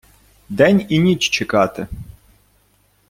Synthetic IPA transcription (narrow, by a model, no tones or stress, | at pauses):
d̪ɛnʲinʲit͡ʃt͡ʃekɑt̪ɪ